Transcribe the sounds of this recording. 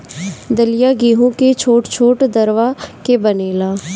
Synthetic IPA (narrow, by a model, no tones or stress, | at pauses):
d̪əlɪjaːɡiːɦũːket͡ʃʰoːʈt͡ʃʰoːʈd̪əɾʋaːkebəneːlaː